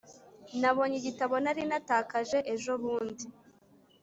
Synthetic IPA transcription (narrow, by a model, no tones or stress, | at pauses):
naβo̞ɲiɟitaβo̞naɾinataːkaʒe̞ʔeʒo̞βuːndi